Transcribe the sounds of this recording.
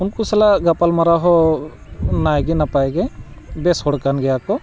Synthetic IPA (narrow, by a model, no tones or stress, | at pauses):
unkusɛlaɡapalmaɾaɦɔ | najɡɛnapajɡɛbɛshɔɽkanɡɛjakɔ